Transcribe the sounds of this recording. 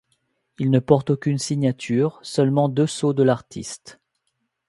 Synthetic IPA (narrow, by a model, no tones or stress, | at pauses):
ilnəpɔʁt̪okʲynsiɲat̪ʰyːʁsœlmɑ̃d̪øsod̪əlaʁt̪ʰḭst̪